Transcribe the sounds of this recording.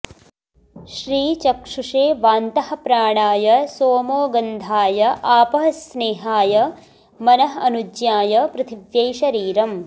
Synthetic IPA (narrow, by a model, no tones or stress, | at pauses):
ʃɾiːt͡ʃɐkʂuʂeːʋaːnt̪ɐhɐ̆pɾaːɳaːjɐsoːmoːɡɐnd̪ʱaːjɐʔaːpɐɦɐsneːɦaːjɐ | mɐnɐɦɐnud͡ʒjaːjɐpɾɐt̪ʰiʋjɐjʃɐɾiːɾɐm